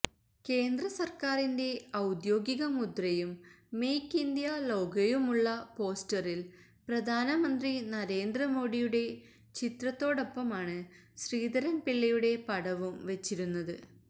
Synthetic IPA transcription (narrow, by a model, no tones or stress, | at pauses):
ke̞ːnd̪rɐsɐrkaːrinde̞ɐwd̪jo̞ːɡiɣɐmud̪rɐjumː | ejkːind̪jalo̞ːɡɐjumuɭːɐpo̞ːstɐril | prɐd̪ʱaːnɐmɐnd̪rinɐɾe̞ːnd̪rɐmo̞ːɽijuɽe̞ | t͡ɕit̪rɐt̪ːo̞ːɽo̞pːɐmaːɳɨ | ɕriːd̪ɐɾɐnpiɭːɐjuɽe̞pɐɽɐʋumʋet͡ɕːiɾunːɐðɨ